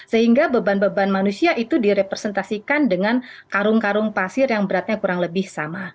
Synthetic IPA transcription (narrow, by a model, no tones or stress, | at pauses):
səhiŋɡabəbanbəbanmanusiaʔit̪udiɾepɾesənt̪asikandəŋankaɾʊŋkaɾʊŋpasɪrjaŋbəɾat̪̚ɲakuɾaŋləbɪhsama